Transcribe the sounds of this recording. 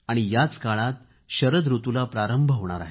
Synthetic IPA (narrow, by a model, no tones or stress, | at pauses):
aɽ̃ijat͡skaɭat̪ | ɕəɾəd̪ɾut̪ulapɾaɾəmbʱəʋɳ̃a̰ɾa̰ɦe